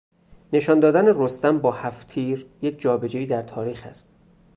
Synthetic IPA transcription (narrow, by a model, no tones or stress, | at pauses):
ne̞ʃɒːnd̪ɒːd̪ænerost̪æmbɒːhæft̪ʰiːɾjek̚ʰʲd͡ʒɒːbe̞d͡ʒeiːd̪æɾt̪ʰɒːɾiːxæ̰st̪